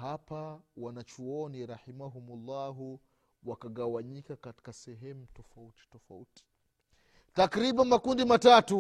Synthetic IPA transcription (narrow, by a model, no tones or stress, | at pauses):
hapawanat͡ʃuɔniɾaħimaɦumulːaɦu | wakaɠawaɲikakati̥kasɛɦɛmutɔfauti̥tɔfa̰uti̥ | takɾiɓanmakundimatatu